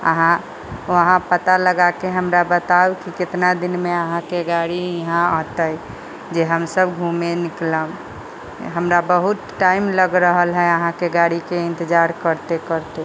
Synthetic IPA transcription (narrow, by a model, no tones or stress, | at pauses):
ə̰ɦã | əɦãpət̪aləɡakeɦəmɾabət̪awkikɪt̪nad̪inmeəɦãkeɡaɽiiɦãəɦt̪ə | d͡ʒeɦəmsəbɡʱumenɪkləm | ɦəmɾabəɦut̪ʈaimləɡɾəɦəlɦɛəɦãkeɡaɽikeɪ̃nt̪əd͡ʒaɾkəɾt̪ekəɾt̪e